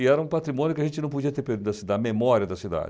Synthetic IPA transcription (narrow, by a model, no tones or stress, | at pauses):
iɛɾɐũpat̪ɾimõnjʊkɪɐʒẽnt͡ʃɪnɐ̃w̃pod͡ʒiɐt̪eɾpeɾd̪ẽɐsd̪ɐmemɔɾjɐd̪ɐsid̪a̰d͡ʒ